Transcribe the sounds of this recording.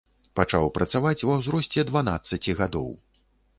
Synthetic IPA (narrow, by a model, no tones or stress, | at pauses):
pat͡ʂa̰wpɾʔɐt̪savat͡sʲwɐwzɾɔsʲt͡sʲɛd̪vana̰t̪sːɐt͡sʲiɣad̪ɔ̰w